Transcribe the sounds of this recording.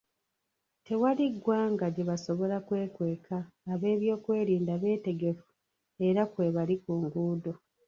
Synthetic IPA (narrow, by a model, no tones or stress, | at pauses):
te̞waliɡwaːŋɡaɟe̞βaso̞βo̞lakwe̞ːkwe̞ːkʰaː | βe̞ːβjo̞ːkwe̞ːɾiːndaβe̞ːte̞ɡe̞fu̥ | e̞ɾakwe̞ːβalikuːŋɡuːdo̞